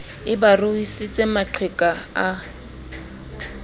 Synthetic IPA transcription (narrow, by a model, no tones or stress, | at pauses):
ɪbarʊisit͡sʼemat͡ɬʰwekʼaa